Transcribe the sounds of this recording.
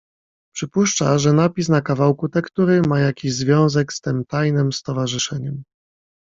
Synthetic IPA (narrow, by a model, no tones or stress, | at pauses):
pʂɘpuʂt͡ʂa̰ʐɛnapʲisnakavawkut̪ɛkt̪uɾɘmajakʲiʑzvʲjɔ̃w̃zɛkst̪ɘmt̪ajnɘmst̪ɔvaʐɘʂɛɲɛm